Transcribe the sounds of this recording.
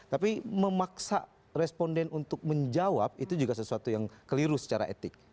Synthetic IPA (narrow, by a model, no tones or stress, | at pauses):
t̪apiməmaksa̰ | rɛspɔndɛnunt̪ʊk̚məɲd͡ʒawap̚it̪ud͡ʒuɡasəsuat̪ujaŋkəliɾʊsə̥t͡ʃaɾa̰ʔḛt̪ɪk̚